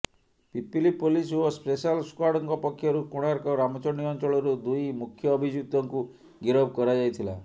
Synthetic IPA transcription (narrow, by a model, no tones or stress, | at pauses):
pipilipolisʋɔspesalskwaɽɔŋɡɔpɔkʰjɔɾukuɽ̃aɾkɔɾamɔt͡ʃɔniɔnt͡ʃɔɭɔɾud̪ujmukʰjɔːbʱid͡ʒut̪ɔŋku | ɡiɾɔbkɔɾad͡ʒajt̪ʰila̰